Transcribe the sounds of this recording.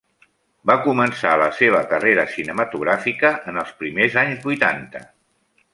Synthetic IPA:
bakumənsa̰ləseβ̞əkəreɾəsinəmət̪uɣɾafikəʔːnəlˠspɾimezaɲzβujt̪ant̪ə̰

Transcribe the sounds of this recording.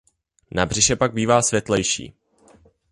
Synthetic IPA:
nabr̝ɪʃɛpaɡ̚biːvaːsvjɛt̪lɛjʃḭː

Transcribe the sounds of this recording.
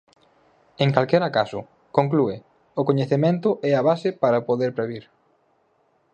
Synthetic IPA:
ẽŋkalkɛɾakasʊ | koŋk̬lue | ʊkoɲeθemẽnt̪ʊʔɛaβasɪpaɾɐpoðeɾpɾeβ̞iɾ

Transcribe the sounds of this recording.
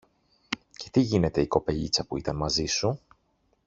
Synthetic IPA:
ce̞̥t̪iʝine̞t̪e̞iko̞pe̞ʎit͡sɐpuit̪ɐnmɐzisu

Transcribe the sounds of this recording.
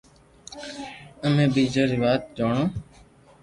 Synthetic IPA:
əmẽːbiːd͡ʒəːɾiːʋaːt̪̚d͡ʒoːɳõː

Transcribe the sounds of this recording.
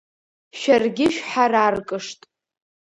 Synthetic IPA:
ʃarɡʲɪʃᶣħararkʼɨʂtʼ

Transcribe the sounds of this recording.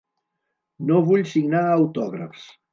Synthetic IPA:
noβuʎsiɡnaːwt̪ɔɣɾə̰fs

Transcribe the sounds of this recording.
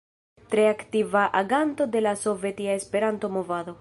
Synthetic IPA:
t̪ɾe̞aktivaʔaɡanto̞de̞laso̞ve̞tiaespe̞ɾanto̞mo̞vad̪o̞

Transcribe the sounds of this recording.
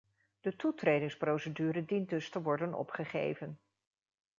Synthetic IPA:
d̥ətutrejdɪŋsprowsədyːrədindɵstəʋɔɹdənɔ̰pχəχḛjvən

